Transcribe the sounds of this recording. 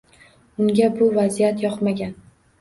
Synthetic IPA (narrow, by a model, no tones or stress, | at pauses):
ʊŋɡʲabʊvazijat̪jɒqmaɡʲan